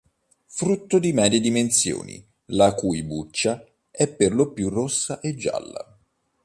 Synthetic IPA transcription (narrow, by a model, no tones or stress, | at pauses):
fɾut̪ːod̪imɛːɾjed̪imensjo̰ːnḭ | lakujbut͡ʃːa | ɛpːerlopjurosːaʔed͡ʒːa̰lːa̰